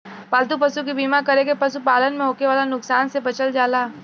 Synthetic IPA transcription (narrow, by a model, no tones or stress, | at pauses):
paːld̪upɐsukibiːmakɐɾekepɐsupaːlənmẽɦoːkeʋaːlanʊksaːnsebɐt͡ʃəld͡ʒaːlaː